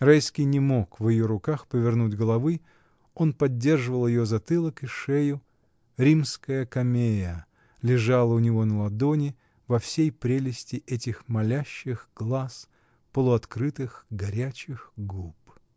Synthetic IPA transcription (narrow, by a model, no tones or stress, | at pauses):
rajskʲɪjnʲɪmo̞kvjɪjoɾʊkaxpəvʲɪrnudʲɡəlˠɐvɨ | o̞npɐdʲːe̞rʐɨvəlˠjɪjozɐt̪ɨlˠəkɪʂɛjʊ | ɾʲimskəjəkɐmʲejə | lʲɪʐalˠəʊnʲɪvo̞nəlˠɐd̪o̞nʲɪ | vɐfsʲejpɾʲelʲɪsʲtʲɪʔɛtʲɪxmɐlʲæɕːɪxɡ̥lˠas | pəlˠʊɐt̪kɾɨt̪ɨxɡɐɾʲæt͡ɕɪxɡup